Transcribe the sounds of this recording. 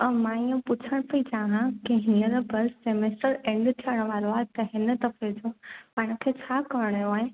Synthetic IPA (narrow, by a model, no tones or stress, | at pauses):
ɐmãiũpʊt͡ɕʰəɽ̃pɐid͡ʑaːɦãkiɦɪnəɾəbɐɾsemesʈəɾẽːɳɖt̪ʰiəɽ̃ʋaːɾoat̪ɐɦɪnə̆t̪ɐfed͡ʑoːpaːɦɪ̃ɽ̃kʰeːt͡ɕʰaːkɐʋəɽ̃joaːɦẽ